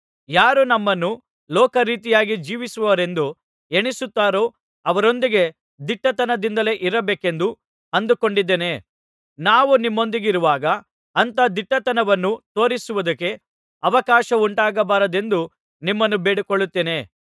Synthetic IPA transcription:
jaːɾunɐmːɐnːu | lɔːkɐɾiːt̪ijaːɡid͡ʒiːʋisuʋɐʋɐɾe̞nd̪u | eɳisut̪ːaːɾoː | ɐʋɐɾo̞nd̪iɡe̞ | d̪iʈːɐt̪ɐnɐd̪ind̪ɐle̞ʔiɾɐbeːke̞nd̪u | ɐnd̪uko̞ɳɖid̪ːeːne̞ | naːʋunimːo̞nd̪iɡiɾuʋaːɡɐː | nt̪ɐd̪iʈːɐt̪ɐnɐʋɐnːut̪o̞ːɾisuʋud̪ɐkːe̞ | ɐʋɐkaːʃɐuɳʈaːɡɐbaːɾɐd̪e̞nd̪u | nimːɐnːubeːɽukoɭːut̪ːeːne̞

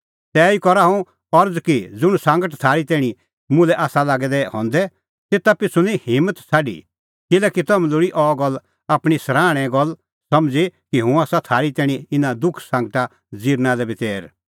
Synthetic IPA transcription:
t̪ɛːikɔɾaɦũ | ɔɾd͡zkid͡zʊɽsãːŋɡəʈt̪ʰaːɾit̪ɛːɽ̃i | mʊ̃lɛʔaːsalaːɡɛd̪ɛɦɔ̰̃ːnd̪ɛ | t̪eːt̪apɪt͡sʰunĩhɪmət̪t͡sʰaːɖḭ | kɪlɛːkit̪ɐmlʊɽiʔɔːɡɔl | aːpɽ̃isɾaːɽ̃ɛ̃ɡɔl | sɐmd͡zekiɦũaːsat̪ʰaːɾit̪ɛːɽ̃ĩɪnad̪ʊkʰsãːŋɡʈa | d͡ziːɾnalɛbɪteːɾ

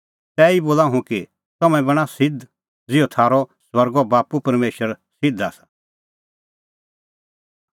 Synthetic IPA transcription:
t̪ɛːiboːlaɦũki | t̪ɐmɛ̃bɐɽ̃asɪd̪ | d͡zɪɔt̪ʰaːɾɔswɐɾɡɔbaːpupɐɾmeːʃəɾ | sɪd̪aːsḁ

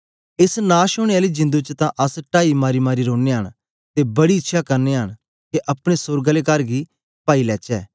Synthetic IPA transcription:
ɪsnaːʃʊɽ̃eaːliːd͡ʒɪ̃nd̪ut͡ʃt̪ãːʔəsʈaːimaːɾiːmaːɾiɾõːneːɦəñ | t̪eːbɐɽiɪtːʃʰaːkəɾneːɦəɽ̃ | keʔɐpɽ̃esʊɾɡəleːkəɾɡiː | paːiːlɛːt͡ʃɛː

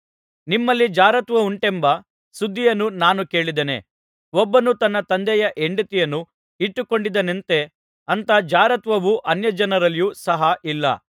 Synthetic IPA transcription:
nimːɐlːid͡ʒaːɾɐt̪ʋɐuɳʈembɐ | sud̪ʱːijɐnːunaːnuke̞ːɭid̪ene̞̰ | ɔbːɐnut̪ɐnːɐt̪ɐnd̪ɛjɐʔeɳɖit̪ijɐnːu | iʈːuko̞ɳɖid̪ɐnent̪e̞ | ɐnt̪ɐd͡ʒaːɾɐt̪ʋɐʋuʔɐnjɐd͡ʒɐnɐɾɐlijusɐɦɐʔilːɐ̰

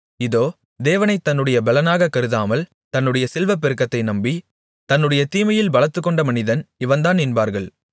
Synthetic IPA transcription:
ɪðoː | d̪eːʋɐnɐɪt̪ːɐnːɯɽɐjɐbɐlɐnaːɣɐkːɐɾɯðaːmɐl | t̪ɐnːɯɽɐjɐsɛlʋɐp̬ːɪɾɯkːɐt̪ːɐɪnɐmbi | t̪ɐnːɯɽɐjɐt̪iːmɐjɪlbɐlɐt̪ːɯkːɔɳɖɐmɐnɪðɐnɪʋɐnd̪aːnːɪnbaːɾɣɐɭ

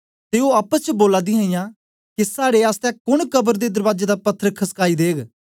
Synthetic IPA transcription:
t̪eːoːaːpət͡ʃboːlaːd̪ĩãːĩjãː | kisaːɽeːaːst̪ɛ̃ːkʊɳkəbəɾd̪eːd̪əɾʋaːd͡ʒeːd̪aːpɐt̪ʰːəɾkʰəskaːid̪eːɡ

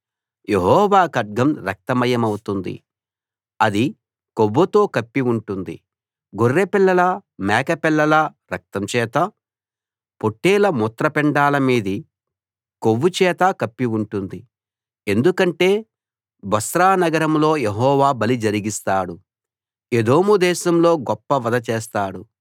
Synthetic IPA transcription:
jeɦɔːʋaːkɐɖ̚ɡɐmɾɐk̚t̪ɐmɐjɐmɐwut̪und̪ḭ | ɐd̪i | koʋːɐt̪o̞ːkɐpːiuɳʈund̪ḭ | ɡorːepilːɐlɐmɛːkɐpɛlːɐlɐɾɐk̚t̪ɐmt͡ʃɛːt̪ɐ | poʈːeːlɐmut̪ɾɐpɛɳɖaːlɐmiːd̪i | koʋːut͡ʃɛːt̪akɐpːiuɳʈund̪i | e̞nd̪ukɐɳʈe̞ː | bɐsɾaːnɐɡɐɾɐmlo̞ːjeɦɔːʋaːbɐlid͡ʒɐɾiɡist̪aːɽu | ed̪o̞ːmud̪ɛːʃɐmlo̞ːɡɔpːɐʋɐd̪ɐt͡ʃeːst̪aːɽu

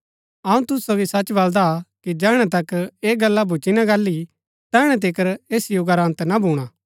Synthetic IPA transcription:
ɐũt̪ʊssoːɡisɐt͡ʃːbɐld̪akid͡ʒɛːɽ̃ɛ̃t̪̬ɐkeːɡɐlːabʱut͡ʃinãɡɐlːi | t̪ɛːɽ̃ɛ̃t̪̬ɪkəɾeːsijoɡɐɾãːnt̪nabʱuːɽ̃aː

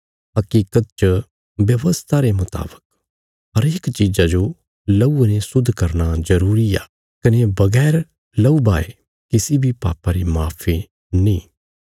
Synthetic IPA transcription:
ɦɐkiːkət̪̚t͡ʃə | bjɐʋəst̪ʰaɾemʊt̪a̰ːbə̥k̚ | ɦɐɾeːkt͡ʃiːzad͡ʒo | lɐuenesʊd̪ʱːkɐɾnazɐɾuːɾiaː | kɐnebɐɡɛːɾ | lɐubaːe | kɪsibʱipa̰ːpaɾimaːpʰe | nĩː

